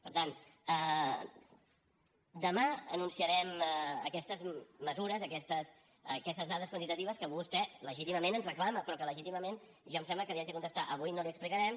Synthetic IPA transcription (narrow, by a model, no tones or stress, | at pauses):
pəɾt̪anə | d̪əmaənunsiəɾɛməkɛst̪əzməzuɾəzəkɛst̪əs | əkɛst̪əzðaðəskwənt̪it̪ət̪iβəskəβust̪ɛləʒit̪iməmenənzrəklaməpɾɔkələʒit̪iməmen | ʒɔms̬ɛmləkəliad͡ʒəkunt̪əst̪aʔəβujnoliəksplikəɾɛm